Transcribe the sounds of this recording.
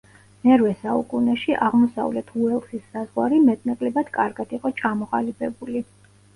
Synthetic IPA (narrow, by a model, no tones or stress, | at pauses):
nɛɾvɛsaṵkʼunɛʃiʔaʁmɔsa̰vlɛt̪ʰuɛlˠsisːazʁwaɾimɛt̪ʼnakʼlɛbad̪̥kʼaɾɡad̪̥iqʼɔt͡ʃʰamɔχalipʰɛbuli